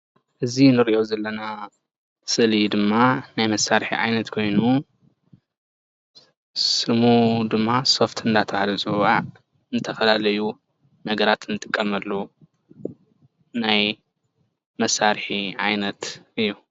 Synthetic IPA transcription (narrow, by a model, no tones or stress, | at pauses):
ʔɨzinɨɾiʔozɐlːɐna | sɨʔlid̪ɨmːanajmɐsːaɾħḭʕa̰jnɐt̪kʰo̞jnu | sɨmud̪ɨmːaso̞ft̪ʰɨnd̪at̪ʰɐβhalɐzʼɨwaʕ | nɨt̪ʰɐfɐlalɐju | nɐɡɐɾat̪nɨt̪ʼɨkʼːɐmɐlːu | naj | mɐsːaɾħiʕa̰jnɐt̪ʔɨjːu